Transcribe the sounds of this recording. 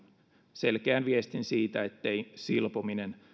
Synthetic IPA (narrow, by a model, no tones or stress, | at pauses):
se̞lk̟eænʋiest̪insiːt̪æet̪ːejsilpominen